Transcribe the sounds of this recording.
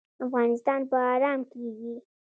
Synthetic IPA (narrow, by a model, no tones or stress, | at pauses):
afɣɑnɪst̪ɑnpaːɾɑmkeɡi